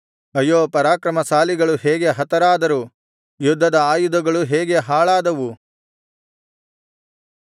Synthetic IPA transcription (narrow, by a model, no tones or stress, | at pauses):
ɐjoːpɐɾaːkɾɐmɐsaːliɡɐɭuɦeːɡe̞ɦɐt̪ɐɾaːd̪ɐɾu | jud̪ʱːɐd̪ɐaːjud̪ɐɡɐɭuɦeːɡe̞ɦaːɭaːd̪ɐʋu